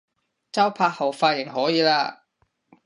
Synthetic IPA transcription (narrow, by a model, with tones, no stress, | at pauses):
t͡sɐ˥wpʰaː˧k̚hɐ˨wfaː˧tjɪ˨˩ŋɦɔː˨˥jiː˨˧laː˧